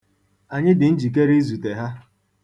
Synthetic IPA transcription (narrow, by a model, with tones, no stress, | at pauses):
a˨ɲɪ˦dɪ˨n̩˦d͡ʒi˨k̬e˦ɾi˦zu˨te˨ɦa˦